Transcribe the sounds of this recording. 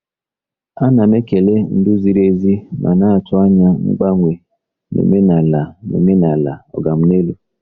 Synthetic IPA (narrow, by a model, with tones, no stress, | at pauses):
a˦na˨me˦ke˨le˦n̩˦dʊ˦zi˦ɾe˦zi˦mʔa̰˨na˦a˨tʊ˦a˦ɲa˦ŋ͡m̩̰˦ɡ͡ba˦ŋʷe˨ | nḛ˨me˦na˨la˨nḛ˨me˦na˨la̰˨ɔ̰˨ɡa˨m̩˦ne˦lu˨